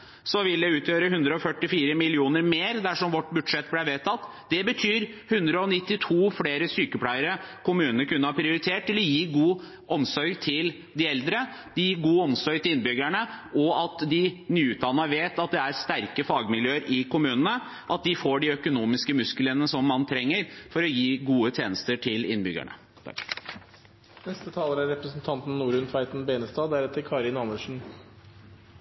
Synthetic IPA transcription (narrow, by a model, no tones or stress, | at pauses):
sɔʋɪld̪ɛʉːt̪jøːɾəɦʉnd̪ɾəɔfœʈːɪfiːɾəmɪlɪuːnəɾmeːɾd̪æʂɔmʋɔʈːbʉd̪ʂɛt̪ːblæʋeːt̪ʰɑt̪ː | d̪ɛbət̪ʰyːɾhʉnd̪ɾəɔnɪt̪ːɪt̪ʰuːfɽeːɾəsyːkəpʰlæɪəɾəkʰʊmʉːnnəɾkʉnːəhɑːpʰɾɪʊɾɪt̪ʰeːʈ̚t̪ɪlɔjiːɡuː | ʔɔmsɔɾɡt̪ʰɪl | d̪ɪɛld̪ɾə | d̪̥ɪiːɡuːɔmsɔɾɡt̪ʰɪlɪnbʏɡæɳəɔɑt̪d̪ɪnyːʉːt̪̚d̪ɑnːɑʋeːt̪ɑt̪̚d̪ɛæɾst̪æɾkəfɑːɡmɪljøːəɾʔɪkʊmʉːnənə | ʔɑt̪̚d̪ɪfoːɖɪœkʊnuːmɪskəmʉsklənəsɔmːɑnt̪ʰɾɛŋːəɾfɔɾɔjiːɡuːət̪ʰjeːnəst̪əʈʰɪlɪ̰nbʏɡæ̰ɳə̰ | t̪ʰɑ̰k | nɛst̪ət̪ʰɑːləɾæɾɾɛpɾəsn̩t̪ʰɑnt̪n̩ːuːɾʉnfæɪt̪n̩beːnəst̪ɑːæɾɛt̪ʰːəɾkʰɑːɾɪnɑməʂɳ̩n̩